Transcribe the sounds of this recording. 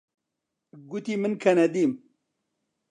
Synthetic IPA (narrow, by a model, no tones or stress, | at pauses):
ɡut̪imɨnkʰɐnɐd̪iːm